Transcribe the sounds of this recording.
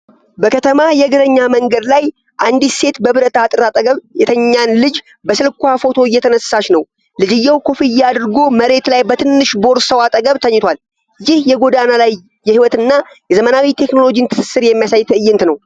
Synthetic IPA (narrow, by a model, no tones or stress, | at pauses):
bəkʰət̪ʰəmajɛɡɨɾəɲːaməŋɡəd̪laj | ʔand̪ise̞t̪bəβɨɾət̪ʰat̪ʼɨɾat̪ʼəɡəβjɛt̪ʰəɲːanlɨd͡ʒ | bəsɨlkʷafo̞t̪ʰo̞ɪjːɛt̪ʰənəsːaʃnəw | lɨd͡ʒɪjːawkʰo̞fijad̪ɾɡo̞məɾe̞t̪lajbət̪ʰɨnːɨʃbo̞ɾsəwat̪ʼəɡəβt̪ʰəɲːɪt̪ʰwal | jɪhjɛɡo̞d̪analajː | ɛhiwɔt̪ɨnːa | jɛzəmənawit̪ʰe̞kno̞lo̞d͡ʒint̪ʰɨ̥sɨ̥sːɨɾjɛmːijasajt̪ʰɨɨjːɪnt̪nəw